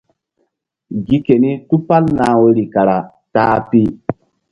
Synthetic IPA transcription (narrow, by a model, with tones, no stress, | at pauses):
ɡi˦ke˨ni˦tu˦pa˦lnaː˨˦we˦ɾi˨ka˨ɾa˨ | ta˦a˦pi˦